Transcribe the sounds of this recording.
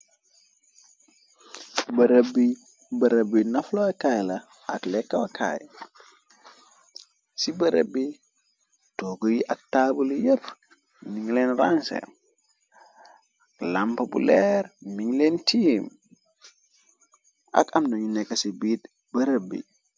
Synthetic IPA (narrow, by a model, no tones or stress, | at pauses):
bɐɾəbi | bɐɾəbinɐflokajla | aklekːawakʰa̰ːj | sibɐɾə̰bːi | toɡojiʔak̚tabuljəp | niŋlenrãnsḛ | lampopṵleɾmiŋlentim | ʔa̰kamnoɲinekːasibiːt | bɐɾəbːḭ